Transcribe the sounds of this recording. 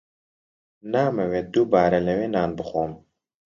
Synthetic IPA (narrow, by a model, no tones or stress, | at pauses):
naːmɐwed̪ubaːɾɐlɐweːnaːnbɨxoːm